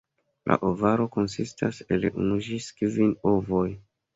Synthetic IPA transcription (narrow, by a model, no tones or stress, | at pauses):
lʔa̰ʔovaɾo̞ko̞nsistʰaselunuʒiskvinovoj